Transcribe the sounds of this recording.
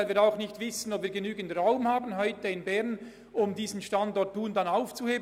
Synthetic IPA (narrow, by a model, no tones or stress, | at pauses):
lviːɾaʊxnɪçtv̥ɪsən̩ɔpv̥iːɐɾɡenyːɡən̩tʁaʊmhaːbən̩ɦɔʏtəɪnbɛʁn | ʔʊmdiːzn̩ʃtandɔɹtʰːuːndanaʊft͡suheːb